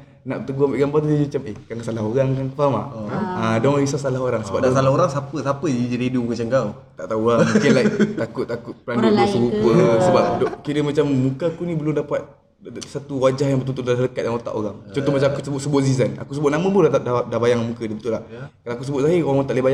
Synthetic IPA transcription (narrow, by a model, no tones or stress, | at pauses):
naʔpət̪əɡuambaʔɡambart̪̬ud͡ʒad͡ʒimat͡ʃamekankasalaɦoɾaŋkanəfamaadɔŋisasalahɦoɾaŋsəba̰p̚dasalaoɾaŋsapəsapəid͡ʒadidukət͡ʃaŋɡaw | t̪aʔt̪auamukinlait̪akʊt̪t̪ːakʊt̪̚pəɾandudesəbupəsəbap̚dɔkiɾəmat͡ʃamːukəkunibəlʊmdapat̪̚ | sat̪uwad͡ʒahjãŋbət̪unt̪̬udalaɦləkat̪̚jaŋot̪a̰ʔoɾaŋt͡ʃɔnt̪ɔmat͡ʃamakusəbʊʔsəbɔsizana̰kus̬əbʊt̪̚namə̃puddadabajaŋmukədibət̪ulahkalaakusəbʊt̪̚saɦioaŋmɔt̪aʔlebaja